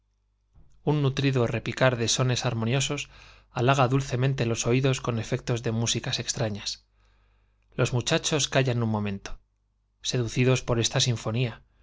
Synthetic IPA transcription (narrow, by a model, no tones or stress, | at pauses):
unːut̪ɾiðo̞re̞pikaɾðe̞so̞ne̞saɾmõ̞njo̞so̞s | alaɣaðulθe̞mẽnt̪e̞lo̞so̞iðo̞sko̞ne̞fe̞k̚t̪o̞zðe̞musikase̞kst̪ɾaɲas | lo̞zmut͡ʃat͡ʃo̞skaʝanummõ̞mẽ̞nt̪o̥ | se̞ðuθiðo̞spo̞ɾe̞st̪asiɱfo̞nia